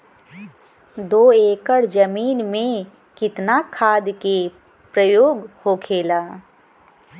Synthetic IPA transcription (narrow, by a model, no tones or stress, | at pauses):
d̪oːeːkəɽd͡ʒəmiːnmẽ | kɪt̪nakʰaːd̪ke | pɾəjoːɡhokʰeːlaː